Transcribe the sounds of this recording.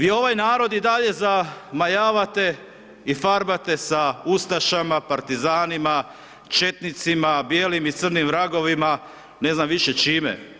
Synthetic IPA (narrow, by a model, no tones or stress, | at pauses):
ʋiːo̞ʋajnaːɾo̞d̪id̪aʎe̞zamajaːʋat̪e̞ | ifaɾbat̪e̞saust̪aʃamapaɾt̪izaːnima | t͡ʃe̞t̪nit̪simabjeːlimit̪sr̩nimʋɾaɡo̞ʋima | ne̞znamʋiʃe̞t͡ʃiːmḛ